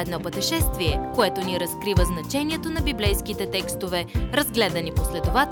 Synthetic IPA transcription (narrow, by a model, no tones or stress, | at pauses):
ɛd̪nɔpət̪ɛʃɛst̪viɛkoɛt̪oniɾɐskɾivəznɐt͡ʃɛniɛt̪onɐbiblɛjskit̪ɛt̪ɛkst̪ovɛɾɐzɡlɛd̪ɐniposlɛt̪ova